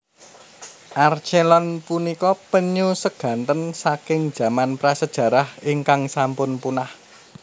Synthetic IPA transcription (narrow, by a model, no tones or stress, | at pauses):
ʔart͡ʃelɔnpunikɔpəɲusəɡ̥ä̤nt̪ənsakɪŋd̥ʒ̥ä̤manpɾasəd̥ʒ̥ä̤ɾahiŋkaŋsampʊnpunah